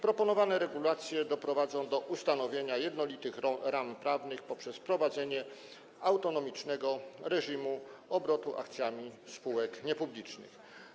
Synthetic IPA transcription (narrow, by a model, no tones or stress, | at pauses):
pɾɔpɔnɔvanɛɾɛɡulat̪sʲjɛd̪ɔpɾɔvad̪zɔ̃w̃d̪ɔʔust̪anɔvʲjeɲajɛd̪nɔlʲit̪ɘxɾampɾavnɘxpɔpʂɛspɾɔvad̪zɛɲɛ | awt̪ɔnɔmʲit͡ʂnɛɡɔɾɛʐimuɔbɾɔt̪uʔa̰kt̪sʲjamʲispuwɛkɲɛpublʲit͡ʂnɘ̰x